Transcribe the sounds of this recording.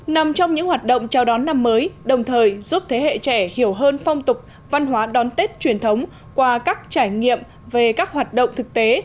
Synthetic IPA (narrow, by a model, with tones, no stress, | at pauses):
na˨˩mt͡ɕɔ˧wŋ͡mɲɨ̰˧˥ŋhwaː˨˩t̚ɗə̰˧˨wŋ͡mt͡ɕɔ˧˩wɗɔ˨˦nːa˧mːəː˨˦jɗə˨˩wŋ͡mt̪ʰəː˨˩jzu˦˥p̚t̪ʰe˨˦hḛ˧˨t͡ɕɛ˧˩hi˧˩əwɦəː˧nfɔ˧wŋ͡mt̪ʊ˨˩k͡p̚ | va˧nɦwaː˨˦ɗɔ˨˦nt̪e˦˥t̚t͡ɕwi˧˩ənt̪ʰə˨˦wŋ͡m | kwaː˧kaː˦˥k̚t͡ɕaː˧˩jŋḭ˧˨əm | ve˨˩kaː˦˥k̚ɦwaː˨˩t̚ɗə̰˧˨wŋ͡mt̪ʰɨ˨˩k̚t̪e˨˦